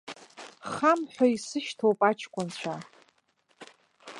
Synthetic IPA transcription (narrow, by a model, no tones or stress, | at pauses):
χamħʷᶣaisɨʃtʰowpʼat͡ʃʰkʷʼʊnt͡ɕʷʰa